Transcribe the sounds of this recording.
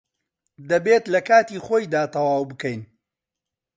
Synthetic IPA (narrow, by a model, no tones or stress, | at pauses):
d̪ɐbeːt̪lɐkaːt̪iːχoːjd̪aːt̪ɐwaːwbɨkɛjn